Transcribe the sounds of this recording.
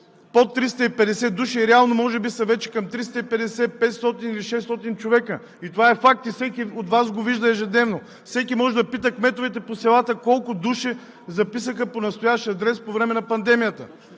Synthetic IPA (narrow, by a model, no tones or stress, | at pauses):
pot̪ːɾist̪əipɛd̪ɛsɛd̪uʃiɛɾɛalˠnomɔʒɛbisɐvɛt͡ʃɛ̥kɐmt̪ɾist̪əipɛd̪ɛsɛpɛt̪st̪ɔt̪iniliʃɛst̪ɔt̪int͡ʃovɛkə | it̪ovaɛfak̚t̪ifsɛkʲiot̪vazɡoviʒd̪əɛʒɛd̪nɛvno | fsɛkimɔʒɛd̪ɐpit̪əkmɛt̪ovɛt̪ɛposɛlˠat̪əkɔlˠkʊd̪uʃɛ | zɐpisəxəponɐst̪ojaʃt̪iɐd̪ɾɛspovɾɛmɛnɐpɐnd̪ɛmijət̪ə̰